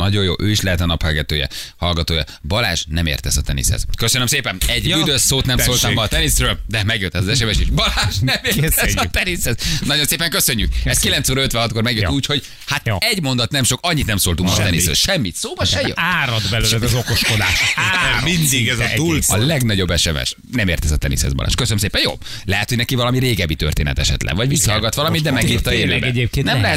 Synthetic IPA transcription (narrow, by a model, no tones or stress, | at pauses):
nɒɟo̞jo̰ːʔøːiʃlɛɦɛt̪ɒnɒphɛlɡɛt̪øːjɛ̰hɒlɡɒt̪oːjɒ̰bɒla̰ːʃnɛmḛːrt̪ɛzɒt̪ɛnḭshɛ̰zkøsønømseːpɛnɛɟyd̪øsːoːt̪nɛmsolt̪ɔmbɒːt̪ɛnisrøːld̪ɛmɛɡjøt̪ːɛzɒzɛʃɛmɛʃeʒbɒlaːʃnɛmeːt̪ɛɒt̪ɛnishɛznɒɟo̞nseːpɛŋkøsø̞ɲːykɛskilɛnt̪soːɾɒøt̪ʋɛnɦɒt̪̚ko̞ɾmɛɡjøuːcho̞ɟ | hat̪ɛɟmo̞nd̪ɒt̪nɛmʃo̞kɒɲːit̪nɛmsoːlt̪uŋkɒt̪ɛnisø̰ʃɛmːit̪soːbɒʃɛjø̰aːɾɒd̪bɛløːlɛzɛzokoʃkod̪a̰ːʃmind̪iɡɛzɒtuːlsɒlɛɡnɒɟo̞bːɛʃɛmɛ̰ʃ | nɛmeːrt̪ɛzɒt̪ɛnḭshɛ̰zbɒ̰lʔa̰ːʃkøsønmseːpɛnjo̰ːb | lɛɦɛt̪hoɟnɛkivɒlɒmiɾeːɡɛbːit̪ø̰rt̪eːnɛ̰t̪ɛʃɛ̰t̪lʔɛ̰vɒɟʋisːɒhɒlɡɒt̪ʋɒlɒmit̪d̪ɛmɛɡiːrt̪ɒeːbɛɛɟepkenɛmlɛɦɛt̪